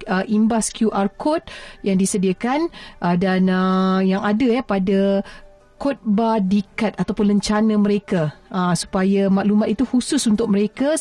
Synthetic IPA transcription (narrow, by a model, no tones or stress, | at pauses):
əʔimbaskjuʔarkɔt̪̚jaŋdisədiakanʔədanəjaŋadajapada | kot̪̚badikat̪̚at̪awpʊnləɲt͡ʃanãmə̃ɾekaʔːsu̥pajamãʔlumat̪it̪uhusʊsunt̪ʊk̚məɾeka